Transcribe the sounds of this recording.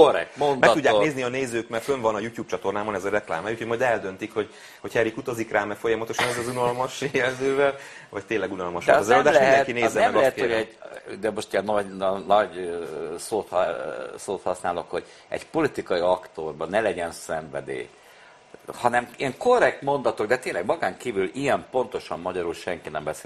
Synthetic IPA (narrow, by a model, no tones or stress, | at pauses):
orɛ̰k̚t̪mondmɛkt̪udɟːaːkneːzniɒneːzøːkmɛrt̪føɱvɒnɒjuːtjuːp̚t͡ʃɒt̪o̞rnaːbɒnɛzɒɾɛkla̰ːmɛucʰhojmɒjd̪ɛld̪ønt̪ikho̞ɟ | ho̞chɛɾikut̪ɒzikraːmɛfo̞jɒmɒt̪o̞ʃɒnɛzzunɒlmɒʃjɛlzøːvɛlvɒc̚t̪eːlːɛɡunɒlmɒʃzɛlolːd̪alɛiɛd̪ɛŋkineːzɛɛmɛmɡɒlɛɛt̪hojɛɟd̪ɛmo̞ʃt̪ijɛnːɒɟnnɒɟ | soːt̪hsoːt̪hɒsnaːlo̞kho̞ɟ̥ | ɛ̰ɟpo̞lit̪ikɒiɒkt̪orbɒnɛlɛɟɛnsɛɱvɛ̰d̪ḛː | hɒnɛmiɛŋko̞rɛk̚t̪mo̞nd̪ɒt̪o̞ɡd̪ɛt̪eːnlɛɡmɒɡaːŋkiːvylijɛmpo̞n̪t̪o̞ʃɒmːɒɟɒɾulʃɛŋkinɛmbɛseː